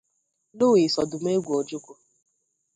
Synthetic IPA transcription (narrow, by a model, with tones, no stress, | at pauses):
lʊ˦wi˨sɔ˨dʊ˨m˦e˦ɡʷu˨o˨d͡ʒʊ˦kʷʊ˨